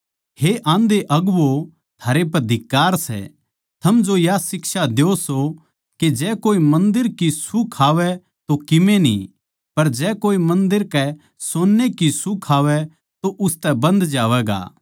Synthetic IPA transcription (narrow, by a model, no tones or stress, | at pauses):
heʔãːnd̪eʔɐɡʋo | t̪ʰaːɾep̬ɐd̪ʱɪkːaːɾsɛ̰ | t̪ʰɐmd͡ʒojasɪkʃad̪eoso | ked͡ʒɛːkoːimɐ̃nd̪ɪɾkisukʰaːʋɛ | t̪okɪmẽnḭ | pɐɾd͡ʒɛːkoːimɐ̃nd̪ɪɾkɛ | soːnːekisukʰaːʋɛ | t̪oʔʊst̪ɛbɐ̃nd̪d͡ʒaːʋɛɡa̰ː